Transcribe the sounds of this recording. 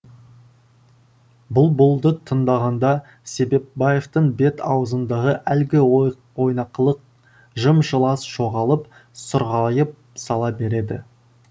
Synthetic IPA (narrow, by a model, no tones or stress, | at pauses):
bʊlˠbʊlˠd̪ət̪ʰənd̪ɑʁɑnd̪ɑ | se̞be̞p̚bɑje̞ft̪əɴbe̞t̪ɑ̰wəzənd̪ɑʁəʔælɡʲɪo | wo̞jnɑqəlˠəq̚ | ʒəmʒəlˠɑsʒ̥o̞ʁɑlˠəp | sʊɾʁɑjəp̚ | sɑlˠɑbe̞ɾe̞d̪ɪ̰